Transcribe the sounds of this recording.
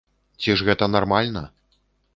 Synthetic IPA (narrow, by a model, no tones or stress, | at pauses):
t͡sʲiʐɣɛt̪ɐnarmalʲnɐ̰